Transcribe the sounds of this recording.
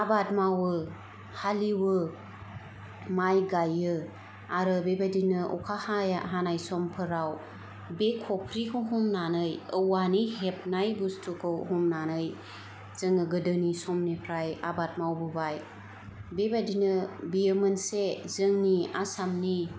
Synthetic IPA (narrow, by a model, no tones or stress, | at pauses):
abat̚mawɯ | haliwɯ | majɡajɯ | aɾɯbebadinɯʔɔ̰kʰahajaɦanajsɔmpʰɯɾaw | bekʰɔpʰɾikʰuwɦumnanɯjɯwaniɦep̚najbustʰukʰɯwɦumnanɯj | z̥ɯŋɯɡɯdɯnisɔmnipʰɾaja̰bat̚mawbɯbaj | bebadinɯbijemɯnsezɯŋniasamni